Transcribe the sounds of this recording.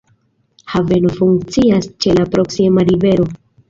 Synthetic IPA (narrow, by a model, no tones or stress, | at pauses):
have̞nofuŋkt͡siast͡ʃe̞lapɾo̞ksimaɾive̞ɾo̞